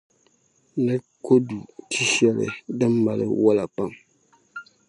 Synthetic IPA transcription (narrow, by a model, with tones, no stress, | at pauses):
nɨ˦ | ko˦du˨tʰi˦ʃɛ˦lɨ̰˨dɨ˦mːa˨lɨ̰˦wɔ˦la˨pa˦ŋ